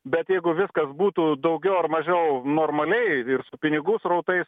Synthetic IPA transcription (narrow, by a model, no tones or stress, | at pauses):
bʲɛt̪jɛɪɡʊʋʲɪskɐsbuːt̪uːd̪ɐʊɡʲɛʊɐrmɐʒʲɛʊnoːrmɐlʲɛɪɪrsʊpʲɪnʲɪɡʊsrɐʊt̪ɐɪs